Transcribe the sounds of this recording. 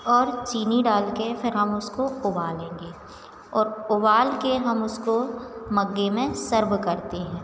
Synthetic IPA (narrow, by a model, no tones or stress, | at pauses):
ɔːɾt͡ʃiːniɖaːlkefɪɾɦɐmʊskoʊbaːlẽːŋɡeː | ɔːɾʊbaːlkeɦɐmʊskomɐɡːemẽsɐɾbkɐɾt̪eɦɛ̃ː